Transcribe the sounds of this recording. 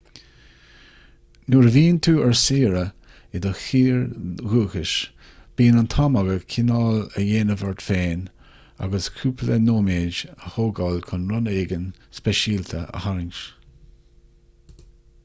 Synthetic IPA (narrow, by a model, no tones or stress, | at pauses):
nuɹviːnt̪ʰuːɛɹsiːɾə | ɪd̪əxiːɹɣuːxɪʃ | b̥iːnant̪ʰɔmaɡəkʰɪnɔːləjeːnəvəɹt̪feːn | a̰ɡəskʰuːpʰlənoːmeːd͡ʒəhoːɡɔlkʰʊnɾʊneːɡənspɛʃiːlt̪ʰəʔə̰haɾɪŋʃ